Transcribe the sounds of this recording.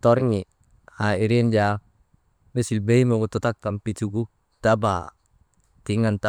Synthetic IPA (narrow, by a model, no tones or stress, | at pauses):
t̪ɔɾŋi | aiɾind͡ʒa | mesilbeimoɡut̪ɔt̪akːampit̪uku | t̪aba̰ | t̪iŋant̪a